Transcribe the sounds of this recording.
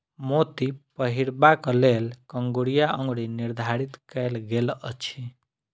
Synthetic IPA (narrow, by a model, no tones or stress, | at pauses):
mot̪ipəɦiɾbakəlelkəŋɡoɽijaʔə̃ŋɡɽiniɾd̪ʱaɾit̪kəjlɡelə̰t͡ʃʰi